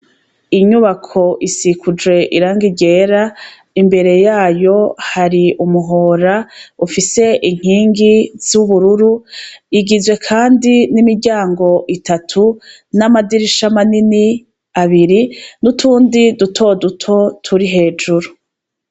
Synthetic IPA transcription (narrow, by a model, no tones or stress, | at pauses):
iɲuβakʰo̞ʔisikʰud͡ʒwe̞ʔiɾaːŋɡiɟe̞ɾa | imbe̞ɾe̞jaːjo̞haɾiumuɦo̞ːɾaufise̞ʔiŋ̥hiːŋɡiz̥uβuɾuɾuiɡizwe̞kʰaːndinimiɾɟaːŋɡo̞ʔitʰatʰu | namadiɾiʃamanini | aβiɾinutʰuːndidutʰo̞dutʰo̞tʰuɾiɦe̞ːd͡ʒuɾu